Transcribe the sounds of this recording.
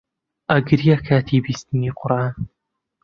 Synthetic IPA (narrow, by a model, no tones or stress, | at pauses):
ʔɐɡɨɾjakʰaːt̪ʰiːbiːst̪ɨniːqʊɾaːn